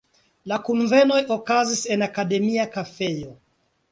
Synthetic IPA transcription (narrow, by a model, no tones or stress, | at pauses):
lakunve̞no̞jo̞kazise̞nakade̞miakafe̞jo̞